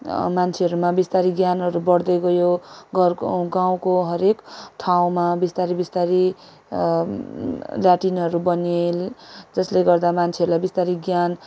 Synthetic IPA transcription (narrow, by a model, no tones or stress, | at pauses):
mant͡sʰeɦʌɾumabist̪aɾiɡjanɦʌɾubʌɽd̪ʌɡʌjoɡʌrɡaw̃koɦʌɾekʈʰaw̃mabist̪aɾibist̪aɾi | laʈinɦʌɾubʌneld͡zʌsleɡʌrd̪amant͡sʰeʌɾulajbist̪aɾiɡjan